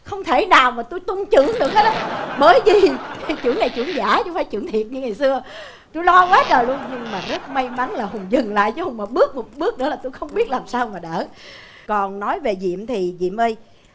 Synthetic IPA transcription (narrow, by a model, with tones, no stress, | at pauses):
xə˧wŋ͡mt̪ʰe˧˩naː˨˩wmaː˨˩t̪u˧jt̪ʊ˧ŋ͡mt͡ɕɨ̰˧˨əŋɗɨ˨˩ək̚həː˦˥t̚a˨˦ɓəː˨˦jzi˨˩˨t͡ɕɨ˧˩əŋna˨˩jt͡ɕɨ̰˧˩əŋzaː˧˩˦t͡ɕʊ˧˦faː˧˦jt͡ɕɨ̰˧˩əŋt̪ʰi˨˩ət̚ɲɨ˧ŋa˨˩jsɨ˧ə | t̪u˧jlɔ˧kwaː˨˦t͡ɕəː˨˩jlu˧ənɲɨ˧ŋmaː˨˩nɨ˦˥əkma˧jma˨˦ŋnlaː˨˩hʊ˨˩ŋ͡mzɨ˨˩ŋla̰ː˧˨jt͡ɕa˧˨˦hʊ˨˩ŋ͡mmaː˨˩ɓɨ˦˥ək̚mo˨˩t̚ɓɨ˦˥ək̚nɨ̰˧˥əlaː˨˩t̪u˧jxə˧wŋ͡mɓi˦˥ət̚laː˨˩msaː˧wmaː˨˩ɗəː˧˩ | kɔ˨˩nːɔ˨˦jve˨˩zḭ˧˨əmt̪ʰi˨˩zḭ˧˨mʔə˧j